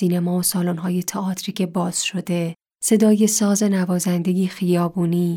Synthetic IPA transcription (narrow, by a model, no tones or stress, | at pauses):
iːnemɒːosɒːlonɦɒːje̞t̪ʰeɒːt̪ʰɾiːcʰe̞bɒːz̥ʃo̞d̪e̞ | se̞d̪ɒːje̞sɒːze̞nævɒːzænd̪e̞jiːxijɒːbuːniː